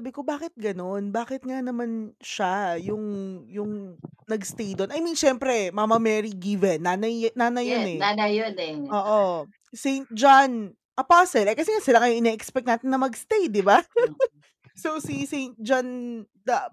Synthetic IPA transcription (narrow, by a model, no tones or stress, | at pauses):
sabɪko̞baːkɪt̪̚ɡɐno̞nbaːkɪt̪̚ŋanɐmanʃajʊŋjʊŋnɐɡst̪ejd̪onʔɐjminʃɛmpɾɛmamɐmɛɾiɡivɛnːanɐjnaːnɐjjonɛanɐjonɛʔoːʔʔo | sejnt̪̚d͡ʒan | ʔɐpasɛlɛkɐsɛŋasɪlaŋɐjoʔɪnɛʔɛkspɛk̚naːt̪ɪnːɐmɐɡst̪ejd̪ɪba | sosisejnt̪̚d͡ʒan | d̪ɐ